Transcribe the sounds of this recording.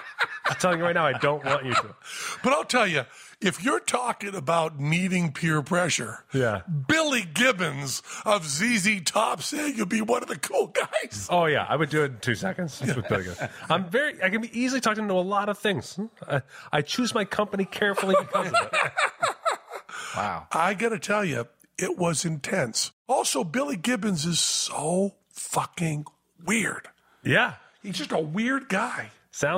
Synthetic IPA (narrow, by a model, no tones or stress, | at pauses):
tʰɛlˠɪ̃ŋjɨɹaɪt̚ⁿnaʊaɪdõʊ̃nʔ̚wɑ̃nt͡ʃɨɾɨb̥ʌɾaɪlˠtʰɛlˠjɨ | ɨfjə˞tʰɔkɪ̃ŋəbaʊt̚ⁿniɾɪ̃ŋpʰɪɹpʰɹ̥ɛʃə˞jæbɪlˠiɡɪbɨ̃nzʌvzizitʰɑpseɪjɨd̚biwʌ̃nʌvðɨkʰulˠɡaɪz̥oʊjæ̰a̰ɪwɨdɨɪttʰʉsɛkɨ̃ndz̥ɪlˠḭɡʊ̰ãɪ̃ɱvɛɹiʔaɪkɨ̃nbiʔizl̩ˠitʰɔkɪ̃ŋtəəlɔɾʌv̥θɪ̃ŋz̥aɪaɪt͡ʃʰʉzmaɪkʰʌ̃mpənikʰɛɹfl̩ˠibɨkʰʌzzt | wa̰ʊʔaɪɡɑɾɨtʰɛlˠjʉ̰ | ɪt̚wʌzɨ̃ntʰɛ̃nsɔlˠsoʊbɪlˠiɡɪbɨ̃nzɨz̥soʊ | fʌkɪ̃ŋ | wɪɹd̥ | jæ | hizd͡ʒʌstəwɪɹd̚ɡaɪ | sãʊ̃